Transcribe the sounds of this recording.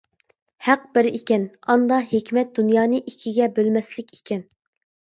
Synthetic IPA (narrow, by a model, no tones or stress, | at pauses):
hæq̚bɪɾikʲɛnɑnd̪ɑɦekʲmɛt̪̚d̪unjɑːnɨʔikʲʰiɡʲɛbølmɛslɪkʲi̥kʲʰɛn